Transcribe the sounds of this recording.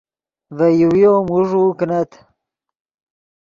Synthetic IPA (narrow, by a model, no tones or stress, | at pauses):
vɐjiwijoːmuʐuknɐt̪